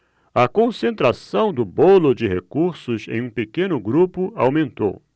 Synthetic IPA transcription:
ɐkõsẽnt̪ɾasɐ̃w̃d̪ʊbolʊd͡ʒɪhekuɾsʊzḛ̃j̃ũpekẽnʊɡɾupʊawmẽnt̪o̰w

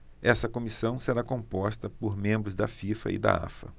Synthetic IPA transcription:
ɛsɐkomisɐ̃w̃seɾakõpɔst̪ɐpoɾmẽmbɾʊzd̪ɐfifɐ̰ɪ̰d̪ɐ̰a̰fɐ̰

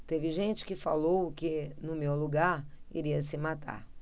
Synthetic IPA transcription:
t̪evɪʒẽnt͡ʃɪ̥kɪfalowkɪnʊmewluɡaɾḭɾiɐsɪmat̪a̰ɾ

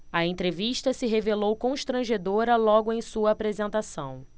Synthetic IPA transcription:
ɐẽnt̪ɾeviʃt̪ɐsɪɦevelowkõʃt̪ɾɐ̃ʒed̪oɾɐlɔɡʊẽj̃suɐapɾezẽnt̪asɐ̰̃w̃

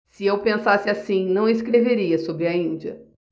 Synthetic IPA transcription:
sɪewpẽsasɪasĩnɐ̃w̃eskɾeveɾiɐsobɾɪɐĩnd͡ʒiɐ̰

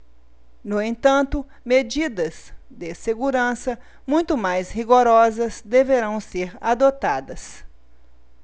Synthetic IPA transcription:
nʊẽnt̪ɐ̃nt̪ʊ | med͡ʒid̪ɐz | d̪ɪseɡuɾɐ̃sɐ | mũj̃t̪ʊmajshiɡoɾɔzɐzd̪eveɾɐ̃w̃seɾad̪ot̪ad̪ɐs

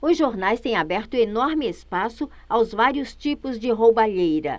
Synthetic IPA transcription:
ʊzʒoɾnajst̪ẽj̃abɛɾt̪ʊenoɾmɪespasʊ | awzvaɾiʊst͡ʃipʊzd͡ʒɪɦowbaʎejɾɐ̰

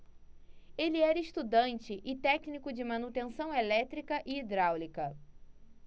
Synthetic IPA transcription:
elɪɛɾɐɪʃt̪ud̪ɐ̃nt͡ʃɪʔɪt̪ɛknikʊd͡ʒɪmɐ̃nut̪ẽsɐ̃w̃elɛt̪ɾikɐʔɪːd̪ɾawlikɐ

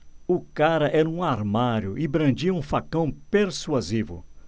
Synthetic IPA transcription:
ʊkaɾɐʔɛɾɐũaɾmaɾjʊʔɪbɾɐ̃d͡ʒiɐũfakɐ̃w̃peɾsuazivʊ̰

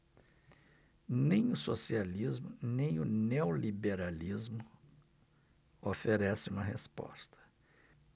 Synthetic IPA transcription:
nẽj̃ʊsosializmʊnẽj̃ʊneolibeɾalizmʊ | ofeɾɛsɪũmɐɦespɔ̰st̪ʰɐ̥

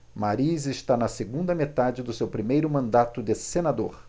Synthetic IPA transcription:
maɾizɪʃt̪anɐseɡũnd̪ɐmet̪ad͡ʒɪd̪ʊsewpɾimejɾʊmɐ̃nd̪at̪ʊd̪esenad̪oɾ

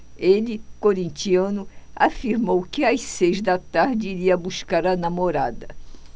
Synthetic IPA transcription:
elɪkoɾĩnt͡ʃiɐ̃nʊafiɾmowkɪasejzd̪ɐt̪aɾd͡ʒɪiɾiɐbuskaɾɐnamoɾad̪ɐ

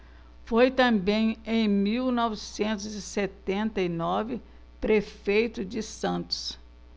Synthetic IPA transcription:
fojt̪ɐ̃mbẽj̃ẽj̃miwnɔvɪsẽnt̪ʊzɪset̪ẽnt̪ɐinɔvɪ | pɾefejt̪ʊd͡ʒɪsɐ̃nt̪ʊ̥s

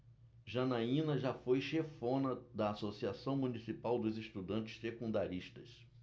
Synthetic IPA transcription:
ʒɐnaĩnɐʒafojʃefõnɐd̪ɐːsosiasɐ̃w̃munisipawd̪ʊzest̪ud̪ɐ̃nt͡ʃɪ̥ssekũnd̪aɾiʃt̪ɐs

